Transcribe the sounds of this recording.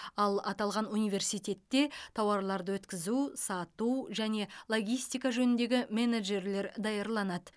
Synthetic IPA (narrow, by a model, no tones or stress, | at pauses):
ɑlˠɑt̪ɑlˠʁɑnunijvʲe̞ɾsijt̪ʲe̞t̪ːe̞t̪ʰɑwɑɾlˠɑɾd̪əwɵt̪kʲɪzusɑt̪uwʒæne̞lˠo̞ɡʲijst̪ijkɑʒɵnɪnd̪e̞ɡʲɪme̞neʒe̞ɾle̞ɾd̪ɑjɑɾlˠɑnɑd̪ə